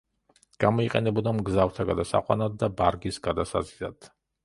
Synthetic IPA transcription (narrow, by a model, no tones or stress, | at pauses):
ɡ̥amɔiqʼɛnɛbɔd̪amɡzaft̪ʰaɡad̪asa̰qʼwa̰nad̪̚ːabaɾɡisɡ̥ad̪asa̰zilad̪̥